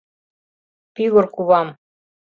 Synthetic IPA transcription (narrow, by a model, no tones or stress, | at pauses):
piɣŏrkuβɑm